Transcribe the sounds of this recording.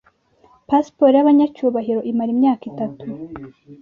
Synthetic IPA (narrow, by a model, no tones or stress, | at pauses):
paspoɾjaβaɲat͡ʃuːβaɦiɾo̞ʔimaɾimɲaːkitatʰu